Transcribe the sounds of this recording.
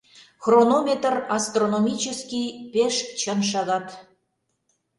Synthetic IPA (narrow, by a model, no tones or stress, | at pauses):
xronomʲet̪ərɑst̪ronomʲit͡ɕəskʲijpeʃt͡ɕənʃ̬ɑɣɑt̪